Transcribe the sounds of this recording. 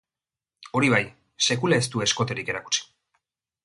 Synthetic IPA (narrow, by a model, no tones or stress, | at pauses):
o̞ɾiβaj | se̞kulae̞st̪ue̞sko̞t̪e̞ɾike̞ɾaku̥t͡si̥